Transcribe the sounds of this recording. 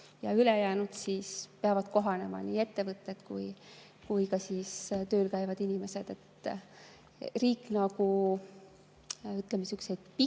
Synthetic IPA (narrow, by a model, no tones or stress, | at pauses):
jɑ̰ylejæːnud̪̥siːspeɑvɑd̪̥̚ko̞ɦɑne̞mɑ̰niːe̞t̪ːe̞vɤt̪ːˑe̞t̪kṵj | kujkɑsiːst̪ø̞ːlkæjvɑd̪̥inʲime̞se̞d̪̥e̞t̪ | riːkːˑnɑɡu | yt̪ːˑlemesyksejd̪̥̚pi